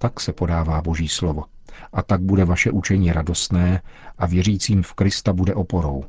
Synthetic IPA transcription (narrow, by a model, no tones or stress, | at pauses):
t̪aksɛpo̞daːvaːbo̞ʒiːslovo̞ | ʔat̪aɡ̚budɛvaʃɛʔut͡ʃɛɲiːɾado̞st̪nɛːʔavjɛriːt͡siːmfkɾɪst̪abudɛʔo̞po̞ɾow